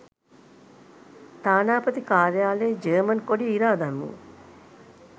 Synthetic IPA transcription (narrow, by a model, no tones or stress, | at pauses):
t̪aːnaːpɐt̪ikaːɾjaːleːd͡ʒeːmɐnkoɖiːɾaːd̪ɐnːṵ